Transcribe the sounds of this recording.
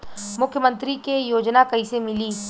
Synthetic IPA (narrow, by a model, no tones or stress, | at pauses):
mʊkʰjəmə̃nt̪ɾikejoːd͡ʒnakɐisemɪliː